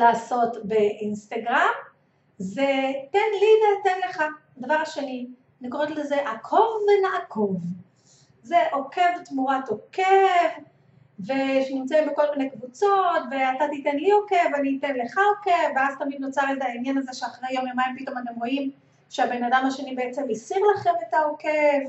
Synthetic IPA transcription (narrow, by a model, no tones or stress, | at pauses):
laːso̞tbe̞ʔinst̪aɡʁam | zetenlivetenle̞χa | davaʁʃeni | nikoʁetlezeʔakʰovːenaʔakʰo̞v | ze̞ʔoke̞vt̪muʁat̪okevː | eʃenimt͡sebeko̞lminejkvut͡so̞tveatat̪itenlio̞ke̞vanitenle̞χaoke̞vːeazt̪amid̪not͡saʁetainjanaze̞ʃeaχʁejo̞mjomaimpit̪o̞matemʁo̞im | ʃeabe̞nadamaʃe̞nibeet͡se̞misiʁlaχe̞metaokev